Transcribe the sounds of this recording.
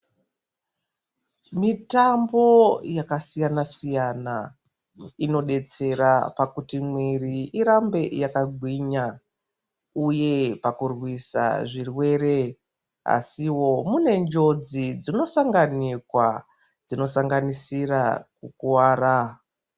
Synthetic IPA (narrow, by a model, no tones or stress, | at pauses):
mitambo̞jakasijanasijana | ino̞ɗe̞t͡se̞ɾapakutimwiriiɾambe̞jakaɡʱwiɲa | uje̞pakurwisa̰ʐirwe̞ːɾe̞ | a̰siwo̞mune̞nd͡ʒo̞d͡zid͡zino̞saŋɡanikwa | d͡zino̞saŋɡanisirakukuwaːra